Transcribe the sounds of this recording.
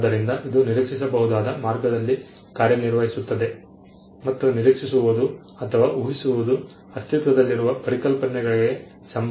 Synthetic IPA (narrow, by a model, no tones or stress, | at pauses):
d̪ɐɾind̪ɐʔid̪uniɾikʂisɐbɐɦud̪aːd̪ɐmaːɾɡɐd̪ɐlːi | kaːɾjɐniɾʋɐɦisut̪ːɐd̪e̞ | mɐt̪ːuniɾikʂisuʋud̪u | ɐt̪ʰɐʋaːuɦisuʋud̪u | ɐst̪it̪ʋɐd̪ɐlːiɾuʋɐpɐɾikɐlpɐnɛɡɐɭiɡe̞ | sɐm